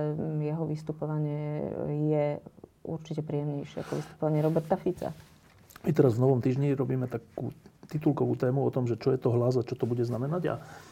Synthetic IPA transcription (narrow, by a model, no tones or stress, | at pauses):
ɛjɛɦɔʋist̪upɔʋaɲɪɛjɛṵɾt͡ʃicɛpɾiːjɛmɲɛjʃɪɛ̰a̰kɔʋist̪u̥pɔʋaɲɪɛɾɔbɛɾt̪afit͡sa̰ | mit̪ɛɾazʋnɔʋɔmt̪iːʒɲiɾɔbiːmɛt̪akṵːt̪it̪ulkɔʋṵːt̪ɛːmuɔt̪ɔmʒɛt͡ʃɔjɛt̪ɔɦlazat͡ʃɔt̪ɔbuɟɛznamɛnaɟa̰